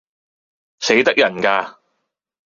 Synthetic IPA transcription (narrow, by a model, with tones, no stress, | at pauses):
se˨˥jt̪ɐ˥k̚jɐ˨˩nkaː˧